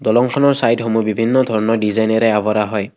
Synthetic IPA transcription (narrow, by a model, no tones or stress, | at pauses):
d̪ɔlɔŋkʰɔnɔɹsajʈɦomubibʱinːɔd̪ʱɔɹnɔɖizajnɔɾeabɔɾaɦɔj